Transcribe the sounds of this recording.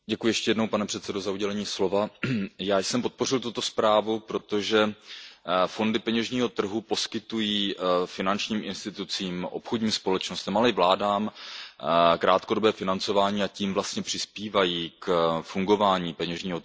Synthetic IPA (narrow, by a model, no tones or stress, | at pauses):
ɟɛkujɪjɛʃcɛjɛdno̞wpanɛpr̝̥ɛt̪sɛdozauɟɛlɛɲiːslo̞vajaːjsɛmpo̞t̪̚po̞r̝ɪlt̪̬ut̪o̞spɾaːvupɾo̞t̪o̞ʒɛ | fo̞ndɪpɛɲɛʒɲiːɦo̞t̪r̩ɦupo̞skɪt̪ujiːfɪnant͡ʃɲiːmʔɪnst̪ɪt̪ut͡siːmʔo̞̰pxodɲiːmspo̞lɛt͡ʃno̞st̪ɛmalɛɪvlaːdaːm | kɾaːt̪kodo̞bɛːfɪnant͡so̞vaːɲiːaciːmvlast̪ɲɛpr̥ɪspiːvajiːkfuŋɡo̞vaːɲiːpɛɲɛʒɲiːɦo